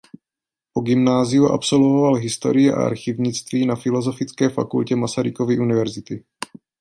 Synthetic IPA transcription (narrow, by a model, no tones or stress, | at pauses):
poɡɪmnaːzɪjuʔa̰pso̞lvovalɦɪst̪o̞̰ɾɪjɛʔa̰ʔa̰ɾxɪvɲɪt͡st̪viːnafɪlo̞zo̞fɪt͡skɛːfakulcɛmasaɾɪkovɪʔunɪvɛɾzɪt̪ɪ